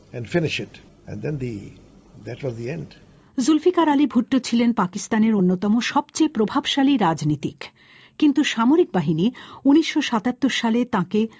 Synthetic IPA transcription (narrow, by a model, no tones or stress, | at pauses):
ɛ̃nɖfɪnɪʃɪʈ | ɛ̰̃nd̪ɛ̃nd̪i | d̪æʈwɔzd̪iɛ̃nɖ | zulfikaɾalibʱuʈːot͡ɕʰilenpakist̪aneɾonːot̪ɔmoʃɔbt͡ɕepɾobʱabʃaliɾad͡ʑnit̪ik | kint̪uʃamoɾik̚baɦiniuniʃːoʃat̪at̪ːoɾʃalet̪ãke